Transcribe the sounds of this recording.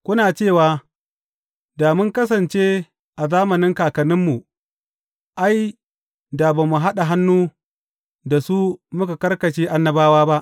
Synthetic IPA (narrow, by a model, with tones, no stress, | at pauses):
kʷʊ˦naː˨t͡ʃeː˦˨waː˦ | daː˨mʊ˦ŋkɐ˦s̬ɐ˨nt͡ʃeː˦ | ʔa˨zaː˦mɐ˨nɪ˦ŋkaː˨kɐ˨nɪ˦mːu˨ | ʔa˦j | da˨ba˨mu˨ɦa˦ɗa˨ɦa˦nːuː˦ | da˨su˦mʊ˦ka˨kɐ˦rkɐ˨ʃeː˦ʔa˦nːɐ˦baː˦waː˦ba˦ʔ